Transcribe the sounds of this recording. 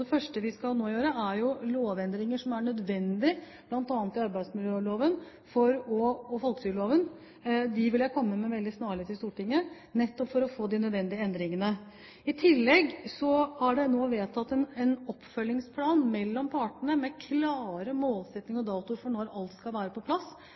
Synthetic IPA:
d̪ɛfœʂʈəʋɪskɑlnoːjøːɾəæɾjʊloːʋɛnd̪ɾɪŋəʂɔmæɳœd̪ʋɛnd̪ɪb̥lɑnt̪ɑːnt̪ɪɑɾbæɪd̪smɪljøːloːʋən | fɔɾɔːfɔlksʏloːʋən | d̪ɪʋɪljæɪkʰɔmːəmɛʋɛld̪ɪsnɑːɭɪt̪ɪst̪uːʈɪŋːə | nɛt̪ːɔpfɔɾɔfoːd̪ɪnœd̪ʋɛnd̪ɪəɛnd̪ɾɪŋənə | ɪt̪ʰɪlːɛɡsɔhɑɖɛnoːʋeːt̪ʰɑt̪ːɛnɛnɔpːfœlːɪŋspʰlɑːnmɛlːɔmpʰɑʈɳəmɛkʰlɑːɾəmoːlsɛt̪nɪŋɔd̪ɑːt̪ʊɾfɔɳɔɾɑlt̪skɑlʋæːɾəpɔpʰlɑsː

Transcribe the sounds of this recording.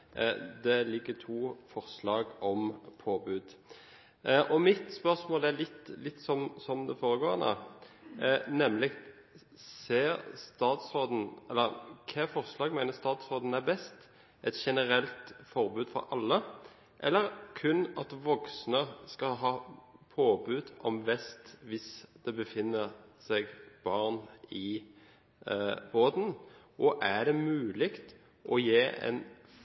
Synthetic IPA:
d̪ɛlɪkːət̪ʰuːfɔʁslɑːɡɔmpʰoːbʉːd̪ | ʔɔmɪt̪spœɾsmoːlælɪt̪ːlɪt̪ːsɔmsɔmd̪ɛfoːɾəɡoːɾnɔ̰ | nɛmlɪ | seːɾst̪ɑːt̪sɾoːd̪n̩ɛlːəɾkʰɛfɔʁslɑːɡmæɪnəst̪ɑːt̪sʁoːd̪n̩æɾbɛst̪ | ʔɛt̪ʃɛnəɾɛlt̪fɔɾbʉːd̪fɔ̰ɾʔɑlːə | ʔɛlːəɾkʰʉnɑt̪ʋɔksnəskɑɦɑːpʰoːbʉːd̪ɔmʋɛst̪ʋɪsd̪̥ɛbəfɪnːəsɛɡb̥ɑʁnɪ | boːd̪n̩ | ʔɔʔæd̪ɛmʉːlɪkt̪ | ʔɔjeːɛ̰n

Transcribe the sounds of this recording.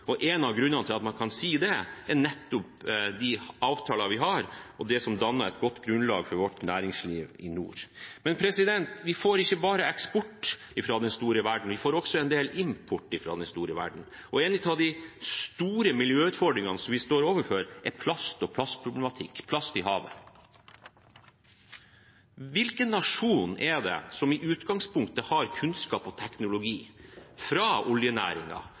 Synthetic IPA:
ɔʔɛnɑʋɡɾʉnːɑnəɪlɑt̪mɑnkʰɑnsiːd̪ɛɛɳɛt̪ːʊpd̪ɪɑːʋt̪ʰɑːlɑʋɪɦɑɾɔd̪ɛsɔmd̪ɑnːəɾɛt̪̚ɡɔt̪ːɡɾʉnlɑ̰ːɡfɔɾʋɔʈːnæːɾɪŋsliːʋɪnṵːɾmɛnpʰɾɛsɪd̪ɛnt̪ʋɪfoːɾɪçːəbɑːɾəɛkspɔʈː | ɪfɾɑːd̪ɛnst̪uːɾəʋæɖɳ̩ʋɪfoːɾɔksɔɛnd̪eːlɪmpʰʊʈːɪfɾɑ̰ːd̪ɛnst̪uːɾəʋæ̰ɖɳ̩ | ɔeːnɪt̪ʰɑd̪ɪst̪uːɾəmɪljøːʉːt̪fɔɖɾɪŋɑnəsɔmʋɪst̪oːɾoːʋəɾføɾʔɛpʰlɑst̪ɔpʰlɑst̪pʰɾʊblɛmɑt̪ʰɪkːpʰlɑst̪ɪhɑːʋə̰ | ʋɪlkənːɑʂuːnʔɛɖ̪ɛ̰sɔmɪʔʉːt̪ɡɑŋspʰʊŋkt̪əhɑɾkʰʉnskɑːpɔt̪ʰɛknʊlʊɡiːfɾɑʊljənæ̰ːɾɪ̰ŋɑ̰

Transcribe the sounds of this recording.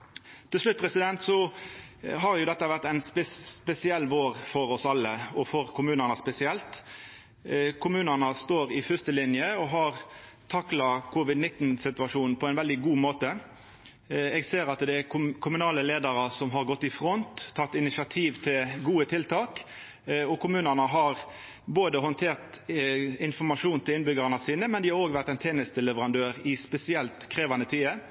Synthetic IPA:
t̪ʰɪlslʉt̪̚pʰɾɛsɪd̪ɛnt̪sɔ | ɦɑɾjʊd̪ɛt̪ːəʋæʁt̪æɪnspɛpɛsɪɛlːʋoːɾfɔɾɔsɑlːəɔfɔɾkʰʊmʉːnənəspɛsɪɛlt̪ | kʰʊmʉːnənəst̪oːɾɪfʏst̪əlɪnjəɔɦɑʁ | t̪ʰɑklɑkʰʊʋɪd̪nɪt̪ːnsɪt̪ʉɑʂuːn̩pʰɔæɪnʋɛld̪ɪɡuːmoːt̪ə | ɛɡseːɾɑt̪d̪ɛæʊkʰʊmʉnɑːləleːd̪ɑɾəsɔmɦɑʁɡɔt̪ːɪfʁɔnt̪ʰːɑt̪ːɪnɪsɪɑt̪ʰiːʋt̪ʰɪlɡuːət̪ʰɪlt̪ʰɑːk | ɔkʰʊmʉːnəʁnəɦɑʁ | boːd̪əɦɔnt̪ʰeːʁt̪ | ɪnfɔmɑʂuːnt̪ʰɪlɪnbʏɡəʁɑnəsiːnəmɛnd̪ɪhɑɾoːɡʋæʁt̪ɛɪnt̪ʰeːnəst̪əlɛʋəʁɑnd̪øːʁɪspɛsɪɛlt̪kʰɾeːʋɑnət̪ʰiːə

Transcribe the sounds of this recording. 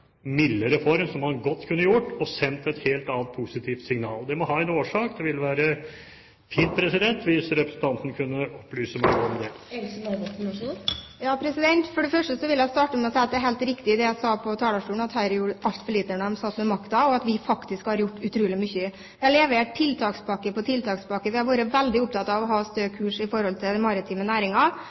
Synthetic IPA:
mɪlːəɾɛfɔɾmsɔmhɑnɡɔt̪ːkʰʉnːəjʊʈːɔsɛnt̪ɛt̪heːlt̪ɑːnt̪̚pʰʊsɪt̪ʰiːft̪sɪŋnɑ̰ːld̪ɛmɔhɑːɛnoːʂɑːkd̪ɛʋɪlʋæːɾə | fiːnpʰɾɛsɪd̪ɛnt̪ʋɪsɾɛpɾəsn̩t̪ʰɑnt̪nkʰʉnːəɔpːlyːsəmæɪɔmd̪ɛɛsmɛɡɔt̪nʂujɑːpʰɾɛsɪd̪ɛnt̪fɔɖɛfœʂʈəsɔʋɪljæɪst̪ɑːʈəmɛɔsɛɪɑt̪̚d̪ɛæɦɛːlt̪ɾɪkt̪ɪd̪ɛjæsɑːpʰɔt̪ʰɑːld̪ɑʂʈuːn̩ɑt̪hæːɾjuːʔɑlt̪fɔɭiːt̪əɳəɛmsɑt̪ːmɛmɑkt̪ɑɔɑt̪ʋɪfɑkt̪ɪskhɑɾjʊʈːʉt̪ʰɾuːlɪmʏçːə | ʋʋɪɑleːʋəæʈʰɪlt̪ʰɑːkspʰɑkːəpɔt̪ʰɪlt̪ʰɑːkspɑkːəʋɪæɾʋoːɾəʋɛld̪ɪʊp̚t̪ɑt̪ːɑʋɔɦɑːst̪øːkʰʉːʂɪfɔɾhɔlt̪ʰɪlmɑɾɪt̪ʰiːmənæːɾɪŋɑ

